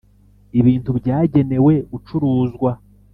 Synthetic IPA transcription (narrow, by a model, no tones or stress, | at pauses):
iβiːntubɟaːɟe̞ne̞we̞ut͡ʃuɾuːzɡwa